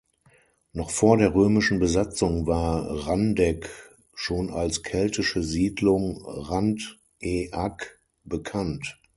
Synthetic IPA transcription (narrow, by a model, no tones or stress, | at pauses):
nɔχfoːɐdeːɐʁøːmɪʃn̩bəzat͡sʊŋvaːɐʁandɛk | ʃoːnalskʰɛltɪʃəziːdlʊŋʁant | ʔeʔak | b̥əkʰant